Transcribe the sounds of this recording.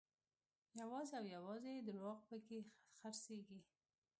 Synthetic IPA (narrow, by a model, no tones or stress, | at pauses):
jawɑzeawjawɑzed̪əɾwɑɣpəkexaɾseɡi